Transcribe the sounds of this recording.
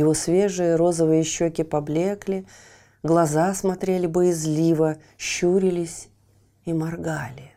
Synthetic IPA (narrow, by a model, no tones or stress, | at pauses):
jɪvosvʲeʐɨjəɾo̞zəvɨjɪɕːokʲɪpɐblʲe̞klʲɪ | ɡlˠɐzasmɐt̪ɾʲelʲɪbəjɪzlʲivə | ɕːuɾʲɪlʲɪsʲ | imɐrɡalʲɪ